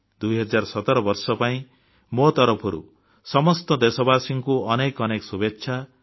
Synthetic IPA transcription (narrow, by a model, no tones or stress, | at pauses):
d̪ujɦɔd͡ʒaɾsɔt̪ɔɾɔbɔɾsɔpaĩ | mot̪ɔɾɔpʰɔɾṵ | sɔmɔst̪ɔd̪esɔbasiŋkuɔnekɔnekɔsubetːʃʰa